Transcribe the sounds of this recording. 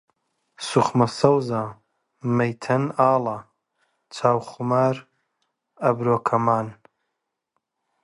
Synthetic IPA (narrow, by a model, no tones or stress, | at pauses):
sʊχmɐsɐwza | mɐjt̪ʰɐnaːla | t͡ʃʰaːwχʊmaːɾ | ɐbɾoːkʰɐmaːn